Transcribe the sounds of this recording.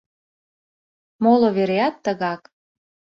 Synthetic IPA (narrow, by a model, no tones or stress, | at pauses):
moloβeɾeɑt̪ːəɣɑk